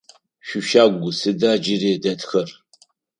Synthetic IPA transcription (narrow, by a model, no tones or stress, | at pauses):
ɕʷᶣʊʃaːɡʷʊsɨdaːd͡ʒɪɾiːdɐtʰxɐr